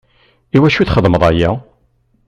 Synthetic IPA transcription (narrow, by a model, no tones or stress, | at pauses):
iwæʃuθχəðˤməðˤæjæ